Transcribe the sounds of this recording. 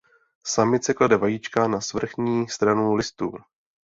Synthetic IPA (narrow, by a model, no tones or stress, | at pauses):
samɪt̪t͡sɛkladɛvajit͡ʃkanasvr̩xɲiːst̪ɾanulɪst̪ṵː